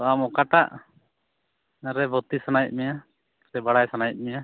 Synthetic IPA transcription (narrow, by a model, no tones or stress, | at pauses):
amɔkaʈaʔ | naɾɛbʱɔt̪isanajt̪̚ˀmɛja | ɾɛbaɽajsanajt̪̚mɛja